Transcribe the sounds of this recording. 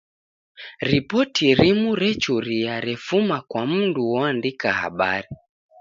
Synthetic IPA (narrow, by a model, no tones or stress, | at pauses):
ɾipɔtʰiɾimuɾɛt͡ʃuɾiaɾɛfumakwamunduwɔandikaha̰ɓaɾi